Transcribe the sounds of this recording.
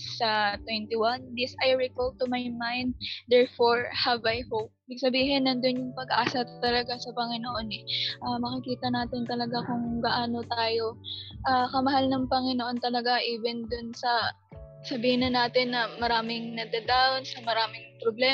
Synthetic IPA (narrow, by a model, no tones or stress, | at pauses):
sɐt̪wɛnt̪ɪwand̪ɪsajɹɪkol̚t̪ʊmajmajnd̪̚ːɛɹfoɹhɐvɐjhowp̚ːbɪɡ̚sɐbiːɦɪnːɐnd̪onjʊŋpɐɡʔaːsɐt̪ɐlɐɡasɐpɐŋɪnoʔo̞nɛʔamɐkɪkiːt̪ɐnaːt̪ɪnt̪ɐlɐɡakʊŋɡɐʔaːno̞t̪aːjo̞ʔakɐmɐɦalnɐŋpɐŋɪnoʔo̞nt̪ɐlɐɡaʔiːvɛnd̪ʊnsɐ | sɐbiːhɪnɐnaːt̪ɪnːɐmɐɾaːmɪŋnɐɡ̚d̪ɐd̪awnsɐmɐɾaːmɪŋpɾoblɛː